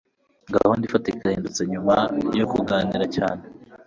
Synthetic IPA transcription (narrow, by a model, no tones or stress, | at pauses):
ŋɡa̰hondifatikahiːndut͡se̞ɲumajokuɡaːniɾacaːne